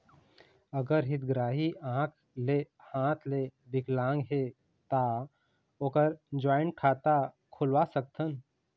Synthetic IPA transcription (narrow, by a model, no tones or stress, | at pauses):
əɡəɾɦɪt̪̚ɡɾaːɦiãːkʰ | lehãːt̪ʰlebɪklãːŋɡɦe | t̪a | oːkəɾd͡ʒaːɪnkʰaːt̪a | kʰʊlwasək̚t̪ʰən